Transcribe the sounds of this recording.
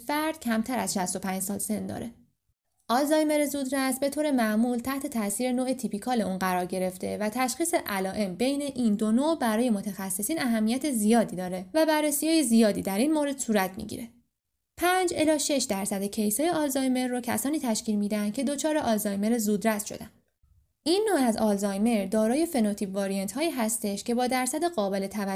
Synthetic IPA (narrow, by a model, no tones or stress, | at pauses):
fæɾd̪̥̚cʰæmt̪ʰæɾæ̰zʃæst̪o̞pʰænd͡ʒsɒːlse̞nd̪ɒ̰ːɾe̞ | ʔɒlzɒjme̞ɾezuːd̪ɾæst̪be̞t̪ʰoːɾe̞mæʔmuːlt̪ʰæht̪ʰe̞t̪ʰæsiːɾe̞noːʔet̪ʰipʰikʰɒːle̞uːnɢæɾɒːɾɟe̞ɾe̞ft̪e̞̰væt̪ʰæʃxiːseʔælɒːʔe̞mbe̞jne̞ʔiːnd̪o̞nobæɾɒːje̞mo̞t̪ʰæxæsːe̞siːnæɦæmːijæt̪ʰe̞zijɒːd̪iːd̪ɒːɾe̞væbærːesijɒːjezijɒːd̪iːd̪æɾiːnmoɾe̞d̪̥suːɾæt̪ʰmḭɟḭɾe̞ | pʰænd͡ʒelɒːʃe̞ʃd̪æɾsæd̪ecʰe̞jsɒːjeɒlzɒjme̞ɾːocʰæ̰sɒːniːt̪ʰæʃciːlmiːd̪æænd̪̚cʰe̞d̪o̞t͡ʃʰɒːɾe̞ʔɒlzɒːjme̞ɾezuːd̪ɾæst̪ʃo̰d̪æ̰n | ʔinːoæzɒlzɒːjme̞ɾd̪ɒːɾɒːje̞fe̞not̪ʰibvɒːɾient̪hɒːiːɦæst̪e̞ʃcʰe̞bɒːd̪æɾsæd̪eɣɒːbe̞le̞t̪ʰævæ